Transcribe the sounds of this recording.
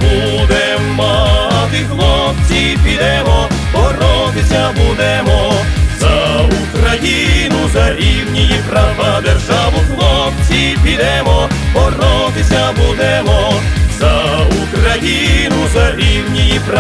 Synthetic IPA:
bu | d̪ɛ | mad̪ɪxlˠɔft͡sʲi | pʲid̪ɛmɔ | pɔrɔd̪ɪsʲabud̪ɛmɔzɐukɐjinuzɐɾʲiwnʲijipɾavad̪ɛrʐaʋʊxnɔft͡sʲipʲid̪ɛmɔpɔrɔd̪ɪsʲabud̪ɛmɔzɐukɾɐjinuzɐɾʲiwnʲijipɾ

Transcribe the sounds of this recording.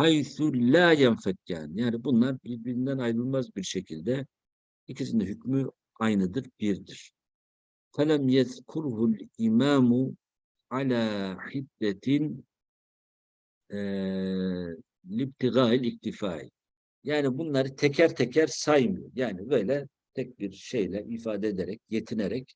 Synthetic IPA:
hajθulaːjanfakːa̰ːnjaːnibunlˠaɾbiɾbiɾind̪ænajɾɯlˠmazbiɾʃecʰilʲd̪ɛ | icʰisind̪ɛɦycmy | ajnɯd̪ɯɾbiɾd̪iɾ̥ | fælæmjaðkʰuɾhulimaːmʊ | ʕalaːħid̪ːɛt̪ʰin | ɛ | lib̚t̪ʰiɣaːilʲik̚t̪ʰifaːʕḭ | jaːnibunlˠaɾɯt̪ʰɛcʰæɾt̪ʰɛcʰæɾsajmɯjo̰ɾjaːnibø̞jlʲɛ | t̪ʰɛc̚biɾʃe̞jlʲɛʔifaːd̪ɛed̪ɛɾɛc̚jet̪ʰinɛɾɛc̚

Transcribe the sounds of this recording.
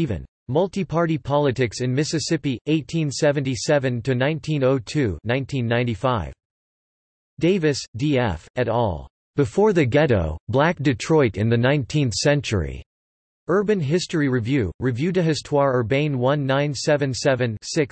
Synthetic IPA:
ivɨ̰̃n | mʌlˠtipʰɑɹɾipʰɑlˠɨtɪksɨ̃nmɪsɨsɪpiʔeɪtʰĩnsɛvɨ̃ntisɛvɨ̃ntʰɨnãɪ̃ntʰĩnoʊtʰʉnãɪ̃ntʰĩnːãɪ̃ntifaɪv̥ | d̥eɪvɨsd̥iɛ̰fɨɾɔ̰lˠ | b̥ɨfɔɹðɨɡɛɾo̰ʊblæk̚d̥ɨtʰɹ̥ɔɪɾɨ̰̃nðɨnãɪ̃ntʰĩnθsɛ̃nt͡ʃə̰˞ḭ | ɜ˞bɨ̃nɦɪstɹiɹivjʉɹɨvjʉɾɨɦɨstʰwɑɹə˞bẽɪ̃nwʌ̃nːãɪ̃nsɛvɨ̃nsɛvɨ̃nsɪks

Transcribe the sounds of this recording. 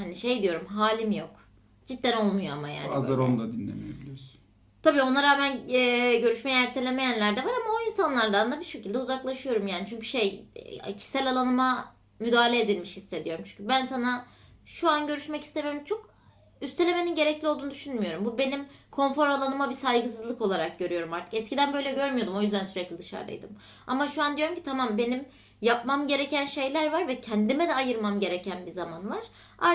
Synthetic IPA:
haniʃe̞jd̪ijo̞ɾumɦaːlʲimjo̞k | d͡ʒit̪̚ːænolˠmujoa̰maja̰ːnazaɾond̪ˠad̪inlːʲḛmḭjebilʲiɾs | t̪ʰabiːo̞naɾaːmænɛɟø̞ɾyʃmejɛæɾt̪ʰelʲeme̞jænlʲæɾd̪ɛvaɾamaoinsanlˠaɾd̪and̪abiʃecʰilʲd̪ɛuzaklˠaʃɯjo̞ɾumjaːnit͡ʃʰyɲcy̥ʃejcʰi̥sælʲalˠanɯma | myd̪aːlʲeed̪ilʲmiʃhisːe̞d̪ijo̞ɾumt͡ʃʰy̥ɲcʰybænsana | ʃuanɟø̞ɾyʃmɛci̥st̪emijoɾumt͡ʃʰo̞k | yst̪ʰee̞me̞ninɟe̞ɾɛclʲiolˠd̪und̪yʃynmyjo̞ɾumbube̞nimkʰo̞nfo̞ɾalˠanɯmabisajɡɯsɯzlˠɯko̞lˠaɾak̚ɟøɾyjo̞ɾumaɾt̪ʰɯ̥kɛscʰid̪ænbø̞jlʲɛɟø̞ɾmyjo̞d̪umo̞jyzd̪ænsyɾɛclʲid̪ɯʃa̰ɾd̪a̰jd̪ɯm | a̰maʃuand̪ijoɾumcʰi̥t̪ʰamambe̞nim | jap̚mamɟe̞ɾe̞cænʃe̞jlʲæɾvaɾvɛcʰænd̪imɛd̪ɛajɯɾmamɟe̞ɾe̞cʰænbizamanvaɾ̥ | a̰

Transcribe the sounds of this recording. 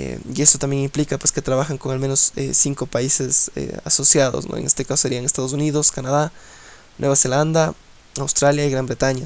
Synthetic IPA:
ḛie̞st̪ot̪ambjeŋimplikapwe̞ske̞t̪ɾaβaxaŋko̞ŋalmeno̞sḛsiŋko̞paise̞sḛa̰so̞sjaðo̞̰sno̰eŋest̪e̞kasoseɾiaŋest̪að̞os̬uniðo̞skanaða | nwe̞βase̞land̪a | awst̪ɾaljaiɣɾambɾe̞t̪aɲa

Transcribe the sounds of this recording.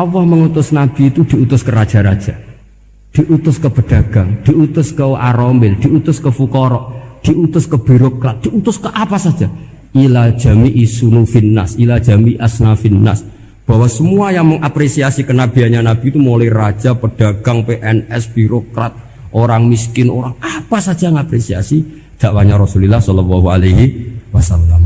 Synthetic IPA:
awɔhməŋut̪ʊsnab̥i̤ːt̪ud̪̥i̤ut̪ʊskəɾad̥ʒ̥a̤ɾa̰d̥ʒ̥a | d̪̥iʔut̪ʊskəb̥əɖ̥a̤ɡ̥aŋd̪̥iut̪ʊskəaɾombɪld̪̥i̤ut̪ʊskəfukɔɾɔʔd̪̥i̤ut̪ʊskəb̥i̤ɾokɾat̪̚d̪̥iut̪ʊskəʔapasad̥ʒ̥a | ilad̥ʒ̥a̤miʔisunufinːa̰silad̥ʒ̥a̤miʔasnafinːa̰s | b̥a̤wasəmuajaŋməŋʔapɾesiasikənab̥i̤aɲanab̥i̤ːt̪umolɔirḁʒ̥apəɖ̥a̤ɡ̥a̤ŋpeʔɛnɛsb̥iɾokɾat̪̚ | ʔoɾaŋmiskɪno̰ɾaŋapasad̥d͡ʒʒ̥aŋapɾesia̰si | d̪̥aʔwaɲaɾɔsulilahsɔlɔwɔɦualeɦiwasalːam

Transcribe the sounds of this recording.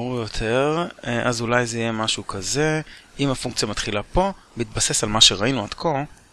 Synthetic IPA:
ʁujot̪ʰe̞ʁʔazulajzeijemaʃukʰaze̞imafuŋk̚t͡sijamat̪χilapo̞beit̪̚base̞salmaʃe̞ʁainuadkʰo̞

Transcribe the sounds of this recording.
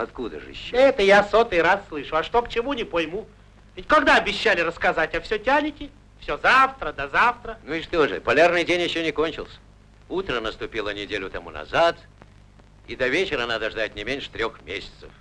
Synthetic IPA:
ɐt̪kud̪ə̰ʐɨ̰ɪɕːoɛt̪əjasot̪ɨjɾasːlˠɨʂʊɐʂt̪okt͡ɕɪmunʲɪpɐjmu | vʲɪtʲkɐɡd̪aɐbʲɪɕːalʲɪrəskɐzatʲɐfsʲotʲanʲɪkʲɪ | fsʲozaft̪ɾəd̪ɐzaft̪ɾənuiʂt̪oʐɨ̰pɐlʲarnɨjdʲenʲjɪɕːonʲɪkonʲt͡ɕɪ̰lˠsʲə̥ | ut̪ɾənəst̪ʊpʲilˠənʲɪdʲelʲʊt̪ɐmunɐ̰zat̪ | id̪ɐvʲet͡ɕɪɾənad̪əʐd̪at̪ʲnʲɪmʲenʲʂɨ̥t̪ɾʲoxmʲesʲɪ̥t̪sə̰f

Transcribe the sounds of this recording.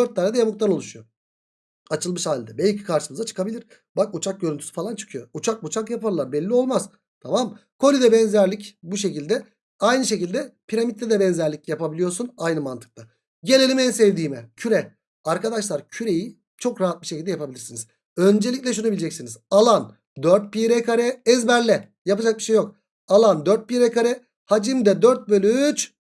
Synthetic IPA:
d̪øɾt̪̚d̪ːaːɾad̪ɛjamɯk̚t̪ano̞lˠuʃujo | at͡ʃʰɯlˠmɯʃhaːlʲd̪ɛbɛlʲcʰi̥kʰaɾʃɯmɯzat͡ʃʰɯ̥kʰabilʲiɾ̥ | bakut͡ʃʰak̚ɟøɾynt̪ʰysy̥falˠant͡ʃʰɯ̥kʰɯjout͡ʃʰak̚but͡ʃʰakjapaɾlˠaɾbɛlʲːio̞lˠmaz̥ | t̪ʰamamkʰo̞lʲid̪ɛbɛnzæɾlʲicbuʃe̞cilʲd̪ɛ | ajnɯʃ̬e̞cilʲd̪ɛpʰiɾamit̪ʰːɛd̪ɛbɛnzæɾlʲicjapabilʲijo̞ɾsunajnɯmant̪ʰɯ̥k̚t̪ʰa | ɟe̞lʲelʲimɛnsɛvd̪iːmɛcʰyɾɛ | aɾkad̪aʃlˠaɾcʰyɾe̞ji | t͡ʃʰo̞kɾaɦat̪̚biʃecild̪ɛjapʰabilʲiɾsiniz̥ | ø̞nd͡ʒe̞lʲicʲlʲɛʃ̬unubilʲd͡ʒɛcsinizalˠan | d̪øɾt̪̚piɾɛkʰaɾɛɛzbæɾlʲɛ | japɯd͡ʒak̚biʃejok̚ | alˠand̪øɾt̪̚piɾɛkaɾɛ | had͡ʒɯmd̪ɛd̪øɾt̪̚bølʲyt͡ʃ

